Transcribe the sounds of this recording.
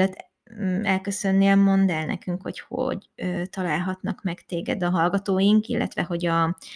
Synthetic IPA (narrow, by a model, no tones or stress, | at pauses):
ɛt̪ː | ɛlkøsønːelmo̞nd̪ɛlnɛ̰kyŋkho̰cho̰ɟøːt̪ɒlaːlɦɒt̪nɒkmɛkt̪eːɡɛ̰d̪ɒɦɒlɡɒt̪oːjiŋkilːʔɛ̰t̪ʋɛɦo̞ɟɒ